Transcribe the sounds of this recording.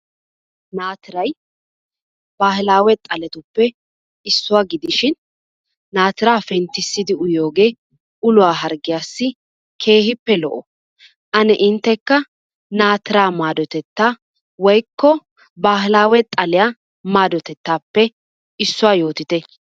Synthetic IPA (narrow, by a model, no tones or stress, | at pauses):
naːt̪ɪɾɐj | baːhɪlaːwɛt̪ʼɐlɛt̪ʊpːɛ | ɪsːʊwaːɡɪd̪ɪʃɪnː | aːt̪ɪɾaːfɛnt̪ːɪsːɪd̪ɪʊjo̞ːɡe̞ː | ʊlʊwaːɦɐɾɡɪjaːsːɪ | kʰe̞ːhɪpːɛlɔ̰ʔɔ | ʔɐnɛʔɪnt̪ːɛkːɐ | naːt̪ɪɾaːmaːd̪ɔt̪ɛt̪ːaː | wɔjkːɔ | baːhɪlaːwɛt̪ʼɐlɪja | maːd̪ɔt̪ɛt̪ːaːpːɛ | ɪsːʊwaːjo̞ːt̪ɪt̪ɛ